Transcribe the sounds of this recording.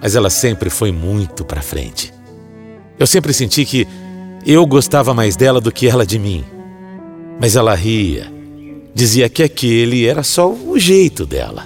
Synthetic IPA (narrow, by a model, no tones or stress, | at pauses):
mɐzɛlɐsẽmpɾɪfojmũj̃t̪ʊpɾɐfɾḛ̃nt͡ʃɪ̥ | ewsẽmpɾɪsẽnt͡ʃikɪewɡost̪avɐmajzd̪ɛlɐd̪ʊkɪɛlɐd͡ʒɪmĩ | mɐzɛlɐɦiɐ̰ | d͡ʒiziɐkɪakelɪɛɾɐsɔʊʒejt̪ʊd̪ɛ̰lɐ̰